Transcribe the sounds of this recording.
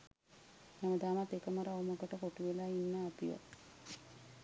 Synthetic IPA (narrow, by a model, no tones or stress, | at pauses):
jaməd̪aːmat̪ekəməɾauməɡəʈəkoʈuʋelaːinːəːpiʋə̰